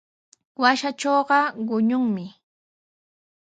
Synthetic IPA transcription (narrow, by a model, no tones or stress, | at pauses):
waʃat͡ʃoːɢɑɢʊɲʊŋmɪ